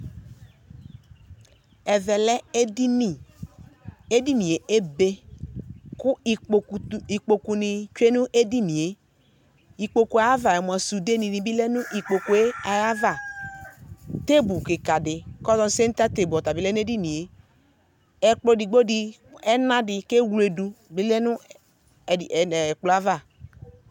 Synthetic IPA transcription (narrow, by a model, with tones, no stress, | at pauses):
ɛ˨vɛ˨lɛ˦e˦di˦ni˨ | e˦di˦ni˨e˨ʔe˦be˦ | kʊ˦˨i˨k͡po˨ku˨nɪ˨t͡ʃʷe˦nu˦ʔe˦di˦ni˨e˨ | i˨k͡po˨ku˨a˨˦a˦va˨ɛ˨m˨a˨su˨de˦ni˨ni˨bi˦lɛ˦nʊ˦ʔi˨k͡po˨ku˨e˦a˨ja˦va˦˨ | te˦bu˨kɪ˨ka˨dɪ˨kɔ˦zɔ˦n˦se˦n˦ta˦te˨bu˨ɔ˨ta˨bi˦lɛ˦n˦e˦di˦nĩ˨e˨ | ɛ˨k͡plo˨di˨ɡ͡bo˦di˨ | ɛ˦nã˦dɪ˨ke˦wu˦le˨du˨bi˦lɛ˦nʊ˦˨ | k͡plo˨˦a˦va˦˨